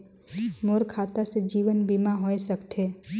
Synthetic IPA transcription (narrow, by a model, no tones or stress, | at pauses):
moɾkʰaːt̪ased͡ʒiːʋənbiːmaɦoesəkt̪ʰeː